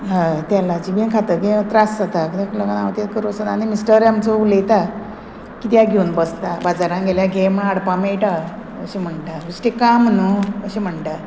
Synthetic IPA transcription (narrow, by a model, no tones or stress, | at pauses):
ɦãt̪jalat͡ɕibĩkʰat̪əkit̪ɾasd͡zat̪akit̪akləɡanaʋt̪et̪kəɾosad̪animisʈəɾjamt͡soulejt̪a | kit̪jaɡʱeunbəst̪abad͡zaɾãŋɡʱeljaɡʱemaɽpamejʈa | ə̰ɕim̤əɳʈaɡusʈekamnəəɕim̤əɳʈa